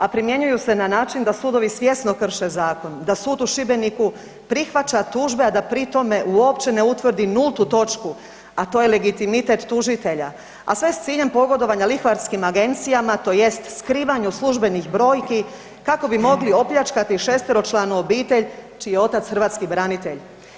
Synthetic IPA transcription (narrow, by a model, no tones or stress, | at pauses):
apɾimje̞ɲujuse̞nanaːt͡ʃind̪asuːd̪o̞ʋisʋje̞sno̞kr̩ʃe̞zaːko̞nd̪asuːd̪uʃibe̞niku | pɾixʋat͡ʃat̪uːʒbead̪apɾit̪o̞me̞ʔuo̞pt͡ʃe̞neut̪ʋr̩d̪inulˠt̪ut̪o̞t͡ʃku | at̪o̞jele̞ɡit̪imit̪e̞t̪ːuʒit̪e̞ʎa | a̰sʋe̞st̪siːʎe̞mpo̞ɡo̞d̪o̞ʋaɲalixʋaɾskimaɡe̞nt̪sijamat̪o̞ːje̞st̪skɾiːʋaɲuslˠuʒbe̞nixbɾo̞ːjki | kako̞bimo̞ɡlio̞pʎʲat͡ʃkat̪iʃeːst̪eɾo̞t͡ʃlˠaːnuobiːt̪eʎt͡ʃijeo̞t̪at̪sxɾʋaːt̪skibɾanit̪e̞ʎ